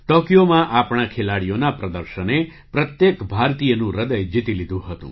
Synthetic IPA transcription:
t̪ɔkjomãʔapɳ̃akʰelaɽijonapɾəd̪əɾʃəne | pɾət̪jekbʱaɾt̪ijənũɾəd̪əjd͡ʒit̪ilid̪ʱũɦət̪ṵ̃

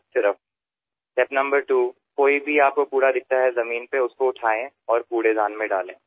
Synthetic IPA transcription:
sɪɾəf | ʈɛpnɐ̃mbəɾʈuː | koːibʱiaːp̚kopuːɾad̪ɪk̚ʰt̪aɦɛzɐmiːnpeʊskoʊʈʰaːẽ | ɔːɾpuːɽezaːnmẽɖaːlẽː

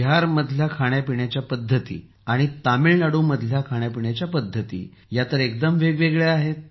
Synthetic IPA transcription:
ɦaɾməd̪ʱljakʰaɳjapiɳjat͡ɕjapəd̪ʱːət̪ḭː | aɽ̃it̪amilnaɽuːməd̪ʱljakʰaɽjapiɳjat͡ɕjapəd̪ʱːət̪ḭː | jat̪əɾek̚d̪əmʋeɡʋeɡɭeaɦet̪̚

